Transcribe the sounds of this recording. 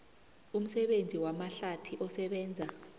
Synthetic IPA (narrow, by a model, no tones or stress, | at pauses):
um̩sɛɓend͡zʱiwamaɬatʰiʔɔsɛɓɛːnd͡zʱa